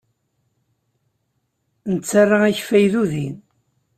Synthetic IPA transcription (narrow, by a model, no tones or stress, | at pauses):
nət͡sːarˤːaæçfæjðuðin